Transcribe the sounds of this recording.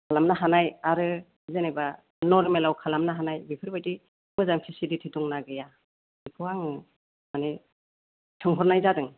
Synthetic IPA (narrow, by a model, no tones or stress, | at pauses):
kʰalamnaɦanajaɾɯ | zeneba | nɔɾmelawkʰalamnaɦanajbipʰɯɾbajti | mɯzampʰisiditʰituŋnaɡɯja | ipʰɯaŋɯ | mane | tʰɯŋɦɔɾnajzadɯŋ